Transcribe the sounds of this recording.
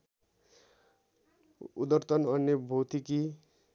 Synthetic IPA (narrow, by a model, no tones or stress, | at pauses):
ud̪ʌrt̪ʌnʌnjʌbʱot̪iki